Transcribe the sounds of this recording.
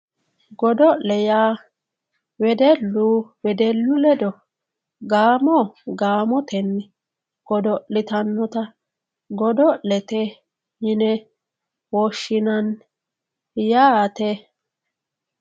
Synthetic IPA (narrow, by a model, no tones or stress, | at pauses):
ɡɔd̪ɔʔlɛjaː | wɛd̪ɛlːuwɛd̪ɛlːʊlɛd̪ɔ | ɡaːmɔɡaːmɔt̪ɛnːɛ | ɡ̥ɔd̪ɔlɪt̪ɐnːɔt̪ɐ | ɡɔd̪ɔʔlɛt̪ɛ | jɪnɛ | wɔʃːɪnɐn | jaːt̪ɛ